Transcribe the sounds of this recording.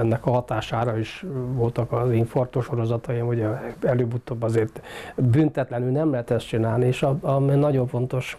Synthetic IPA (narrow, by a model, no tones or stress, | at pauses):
ɛnːɛkɒɦɒt̪aːʃaːɾɒiʃʋo̞lt̪ɒkɒziɱfo̞rt̪oʃo̞ɾo̞zɒt̪ɒjimoɟɛɛløːbut̪oːbːɒzeːrt̪bynt̪ɛt̪lɛnylnɛmlɛɦɛt̪ɛst̪t͡ʃinaːlnieːʃɒɒminɒɟo̞ɱfo̞n̪t̪o̞ʃ